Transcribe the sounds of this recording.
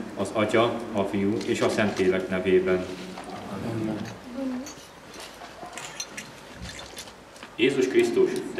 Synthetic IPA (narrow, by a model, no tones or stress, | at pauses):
ɒzɒcɒɒfijueːʃɒsɛnt̪leːlɛknɛveːbɛn | jeːzuʃkrist̪uʃt̪